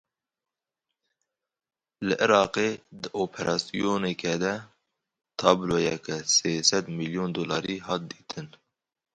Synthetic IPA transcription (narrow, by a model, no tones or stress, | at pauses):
ləʔɨɾɑːqeːd̪ɨʔoːpʰɛɾʔɑːsijoːnekʰɛd̪ɛ | t̪ʰɑːbloːjɛkɛseːsɛd̪milijoːnd̪oːlɑːɾiːɦɑːt̪̚d̪iːt̪ʰɨn